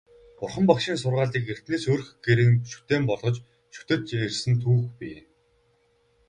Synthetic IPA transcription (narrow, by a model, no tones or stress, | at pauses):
pʊrχə̆mpɔkʃiːnsʊrʁaːɮiːker̥t̪neːsoːɾ̆xɡeɾɘ̆ʃu̥t̪eːmpɔɮʁɞ̆t͡ɕ | ʃu̥t̪ɘ̆t̪ersɘ̆nt̪ʰuːxpiː